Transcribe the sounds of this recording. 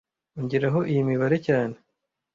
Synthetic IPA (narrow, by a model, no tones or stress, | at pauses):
uɲɟiɾaɦo̞ʔijimiβaɾe̞caːne